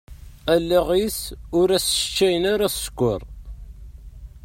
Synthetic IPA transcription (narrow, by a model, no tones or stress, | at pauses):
ælːaʁisʊɾæsʃət͡ʃːæjənaɾæsə̥kʷːʊ̰ɾˤ